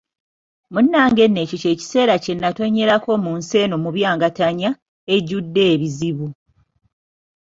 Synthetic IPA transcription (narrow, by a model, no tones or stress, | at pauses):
munːaːŋɡe̞nːeːcoce̞ːci̥se̞ːɾace̞nːato̞ɲːe̞ɾako̞munse̞ːnomuβjaːŋɡataɲa | e̞ɟːudːe̞ːβiziβu